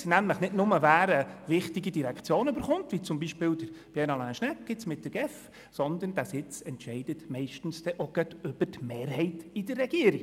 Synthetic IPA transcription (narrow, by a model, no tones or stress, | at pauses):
næmləχnɪdnʊməvæːɾəvɪχtiɡidiɾɛkt͡sjoːnøbəɾχʊnt̪vit͡sʊmbiʃpɪːldəɾb̥jɛnɑlæ̃ːʃnɛkɡ̥ɪtsmɪt̚d̥əɾɡ̥ɛf | sɔnd̪ənd̥æsɪt͡sɛntʃɛɪd̥ətmɛɪʃtn̩sd̥ɛʔoɡ̥œtʏb̥ətmeːɾɦɛɪtidərːɛɡ̥iəɾiɡ